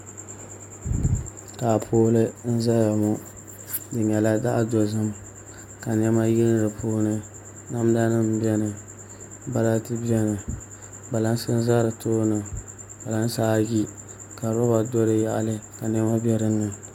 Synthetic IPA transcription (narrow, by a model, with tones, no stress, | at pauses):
ka˨pʰoː˦lɨ˦n̩˦za˦ja˨mʊ˦ | dɨ˨ɲɛ˨la˦da˦ʔdo˨zɨ˦m | ka˨n˦ɛ˦ma˦ji˦nɨ˦ɾɨ˨pʰoː˦nɨ˦ | na˦m˦da˦nɨ˦m˦bɛ˦nɨ˨ | ba˦la˦tɨ˦bi˦ɛ˦nɨ˨ | ba˨la˦n˦sɨ˦n̩˦za˦ɾɨ˨toː˦nɨ˨ | ba˨la˦n˦saː˦ɡi˦ | ka˨ɾɔ˦ba˨do˦ɾɨ˨ja˦ʔa̰˦lɨ˦ka˨n˦ɛ˦ma˦bɛ˦ɾɨ˦nːɨ˨